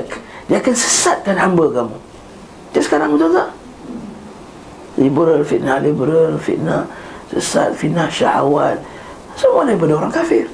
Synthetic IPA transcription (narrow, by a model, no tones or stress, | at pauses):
diakansə̥sat̪̚kanhambəkamu | diaʔsə̥kaɾaŋut̪uta | libəɾalfit̪̚nahlibəɾalfḭt̪̚nahsə̰sa̰t̪̚fitnahʃa̰ha̰wat̪̚ | səmualaipadaoɾaŋkafɪ̰r